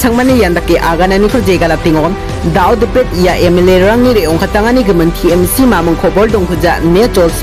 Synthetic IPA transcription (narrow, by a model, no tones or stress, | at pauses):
t͡ʃʰɐŋmanijandakːeʔaɡananikʰɔd͡ʒeɡalap̚tiŋɔm | dawdipɾet̚ijaʔemeleɾɾaŋniɾeɔŋkʰataŋaniɡɯmɯntʰiemsimamɯŋkʰɔbɔldɔŋɦud͡ʒanet͡ʃɔls